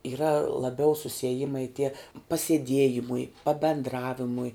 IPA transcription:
iːˈrɐ lˠɐˈbʲɛʊ sʊsʲiɛˈjɪmɐɪ tʲiɛ pɐsʲiɛˈdʲiɛjɪmʊɪ pɐbʲɛndˈrɑːʋʲɪmʊɪ

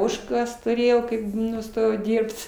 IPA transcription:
ˈoːʃkɐs tʊˈrʲeːjɛʊ kɐɪp nʊˈstoːjɛʊ ˈdʲiːrpt

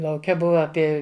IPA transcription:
lˠɐʊˈkʲɛ ˈbʊʋɐ ɐˈpʲiɛ

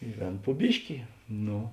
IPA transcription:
ɪ ˈʋʲeːn pʊ ˈbʲɪʃʲkʲɪ ˈnoː

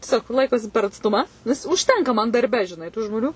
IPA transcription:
tʲiɛˈsʲoːk ˈlˠɐɪkoːsʲɪ pʲɛr ɐtsˈtʊmɐ nʲɛs ʊʃʲˈtʲɛŋkɐ mɐn dɐrʲˈbʲɛ ʒʲɪˈnɐɪ tʊ ʒmoːˈnʲʊ

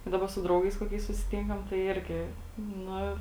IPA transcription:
ˈdɑːbɐ sʊ ˈdrɐʊɡɐɪs koːˈkʲɛɪs sʊsʲɪˈtʲɪŋkɐm tɐɪ ˈɪrʲɡʲɪ ˈnʊ

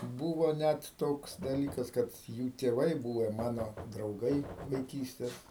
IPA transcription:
ˈbuːʋoː ˈnʲæt ˈtoːks dɐˈlʲiːkɐs kɐt ˈjuː tʲeːˈʋɐɪ ˈbuːʋʲɛ ˈmɑːnoː drɐʊˈɡɐɪ ʋɐɪˈkʲiːsʲtʲɛs

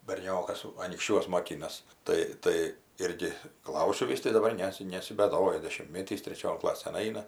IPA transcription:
bʲɛrʲˈnʲoːkɐs ɐnʲiːkʃʲˈt͡ʃʲuɔs moːˈkʲɪnɐs ˈtɐɪ ˈtɐɪ ˈɪrʲɡʲɪ ˈklˠɐʊsʲʊ ˈʋʲɪs tɐɪ dɐˈbɐr ˈnʲæːsʲɪ nʲɛsʲɪbʲɛˈdoːjɛ dʲɛʃʲɪmʲtʲˈmʲeːtʲiːs tʲrʲɛˈt͡ʃʲoːn ˈklˠɑːsʲeːn ˈɐɪnɐ

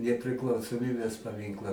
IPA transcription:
nʲɛpʲrʲɪklˠɐʊsoːˈmʲiːbʲeːs pɐˈmʲɪŋklˠɐ

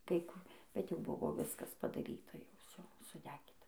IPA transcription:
kɐɪ ˈkʊ bʲɛt jɛʊ ˈbʊʋoː ˈʋʲɪskɐs pɐdɐˈrʲiːtɐ jɛʊ ˈʋʲsʲoː sʊˈdʲæːɡʲiːtɐ

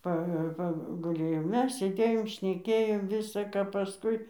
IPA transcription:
ˈpɐ pɐɡʊˈlʲeːjoː ˈmʲɛs sʲeːˈdʲeːjoːm ʃʲnʲɛˈkʲeːjoːm ˈʋʲɪsɐ kɐ pɐˈskʊɪ

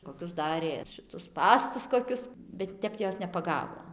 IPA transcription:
koːˈkʲʊs ˈdɑːrʲeː ʃʲɪˈtʊs ˈspɑːstʊs koːˈkʲʊs bʲɛt ˈtʲɛp ˈjoːs nʲɛpɐˈɡɑːʋoː

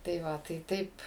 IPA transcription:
tɐɪ ˈʋɐ tɐɪ ˈtɐɪp

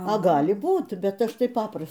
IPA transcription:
ɐ ˈɡɑːlʲɪ ˈbuːt ˈbʲɛt ˈɐʃ tɐɪ ˈpɑːprɐs

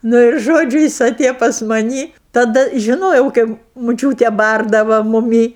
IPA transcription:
ˈnʊ ɪr ˈʒoːd͡ʒʲʊ ˈjɪs ɐˈtʲeːjoː pɐs mɐˈnʲiː tɐˈdɐ ʒʲɪˈnoːjɛʊ ˈkɐɪp mʊˈt͡ʃʲuːtʲeː ˈbɐrdɐʋɐ mʊˈmʲiː

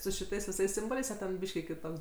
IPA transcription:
sʊ ʃʲɪˈtɐɪs ʋʲɪˈsɐɪs ˈsʲɪmboːlʲɛɪs ɐ ˈtʲɛn ˈbʲiːʃʲkʲɪ kʲɪˈtoːks

